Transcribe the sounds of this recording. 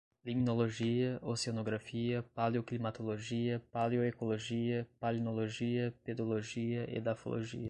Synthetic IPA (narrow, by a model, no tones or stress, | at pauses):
liminoloʒiɐʔosionoɡɾafiɐpaljoklimat̪oloʒiɐpaljoekoloʒiɐpalinoloʒiɐped̪oloʒiɐʔḛd̪afo̰lo̰ʒḭɐ